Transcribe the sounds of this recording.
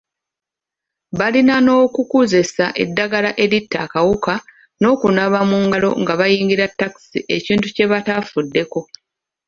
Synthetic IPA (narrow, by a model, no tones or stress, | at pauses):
βalinano̞ːkukuze̞saʔe̞dːaɡalaʔe̞ɾitːakawuka | no̞ːkunaβamuŋɡalo̞̰ŋɡaβajiːŋɡiɾatːaki̥sḭʔe̞ciːntuce̞βatafudːe̞ko̞